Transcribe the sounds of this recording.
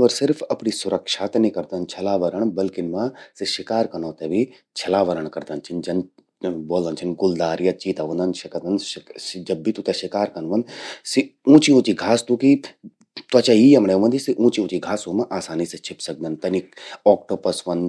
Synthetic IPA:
ʋɐɾsɪɾfʰɐpnisʊɾɐkʃat̪ɐnikɐɾd̪ɐnt͡ʃʰɐlaːʋɐɾəɳ̃bɐlkɪnmãsiʃɪkaːɾkɐnõːt̪ɛbʱi | t͡ʃʰɐlaːʋɐɾəɳ̃kɐɾd̪ɐnt͡ʃʰind͡ʒɐn | boːlɐnt͡ʃʰinɡʊld̪aːɾjɐt͡ʃiːt̪aʋɐ̃nd̪ɐnʃɐkɐt̪ɐnd͡ʒɐbːit̪ut̪ɛʃɪkaːɾkɐnʋɐnsiũːt͡ʃiũːt͡ʃiɡʱaːst̪uki | t̪uɐt͡ʃajiːɐmɽɛʋɐ̃nd̪isiʔũːt͡ʃiũːt͡ʃiɡʱaːsoːmãʔaːsaːnisɐt͡ʃʰɪpsɐk̚d̪ɐnt̪ɐnikɔːkʈopɐsʋɐn

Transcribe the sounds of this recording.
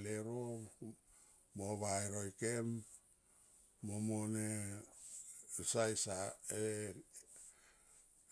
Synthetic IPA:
leɾo | moβaeɾojkem | omone | sajsae

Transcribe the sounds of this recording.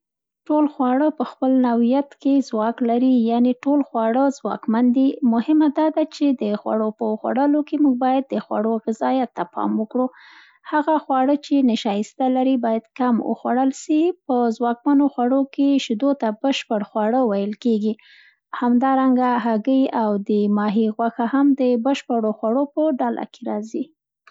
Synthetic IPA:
ʈolxwɑɽəpəxpəlnawijat̪kezwɑklaɾijaneʈolxwɑɽəzwɑ̰kmand̪imʊhɪmad̪ɑd̪at͡ʃed̪əxwa̰ɽopəxwa̰ɽəlokemuɡ̚bɑjad̪̚ːəxwa̰ɽoɣɪzɑjat̪ːapʰɑ̰mwəkɽu | haɣaxwɑɽət͡ʃenɪʃɑjɪst̪alaɾibɑjad̪kamwə̰xwaɽəlʃipəzwɑkmanoxwaɽokeʃd̪ot̪abəʃpəɽxwaɽəwajəlkeɡi | hamd̪ɑɾaŋɡaɦaɡəjawd̪əmɑɦiɣwaxahamd̪əbəʃpəɽoxwaɽopəɖala̰ke̥ɾɑzi

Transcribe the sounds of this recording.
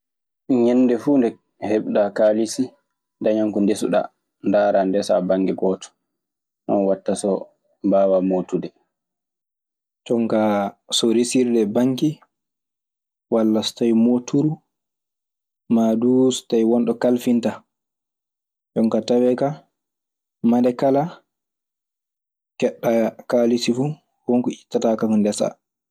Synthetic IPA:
ɲɛnːdɛfundɛ | hɛɓɗakaːlisi | daɲaŋkɔndesuɗa̰ | ndaːɾandɛsa̰baŋɡɛɡɔːtɔ̥ | nɔ̰nwatːasɔ | baːwamoːtudɛ | t͡ʃɔŋkasɔɾisiɾdɛbaŋki | walːasɔ̥tajmotʰuɾu | maːdustajwɔnɗɔkalfinta | t͡ʃɔŋkatawɛka | madɛkala | kɛɗːakaːlisifu | hɔŋkɔitːatakamɔndɛsa̰

